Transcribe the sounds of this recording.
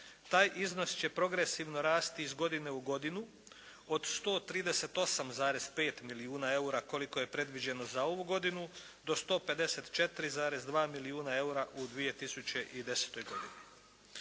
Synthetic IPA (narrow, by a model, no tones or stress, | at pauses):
t̪aːjʔizno̞st͡ɕe̞pɾo̞ɡɾe̞siʋno̞ɾaːst̪iizɡo̞d̪ine̞uɡo̞d̪inu | o̞d̪st̪o̞ːt̪ɾiːd̪ese̞t̪o̞samzaːɾe̞zpe̞ːt̪miliuːnae̞uɾako̞liko̞je̞pɾe̞d̪ʋid͡ʑe̞no̞zao̞ʋuɡo̞d̪inu | d̪o̞st̪o̞ːpe̞d̪e̞se̞t̪t͡ʃe̞t̪ɾizaːɾe̞zd̪ʋaːmiliuːnae̞uɾaʔud̪ʋije̞t̪isut͡ɕe̞ʔid̪e̞se̥t̪o̞jɡo̞d̪ini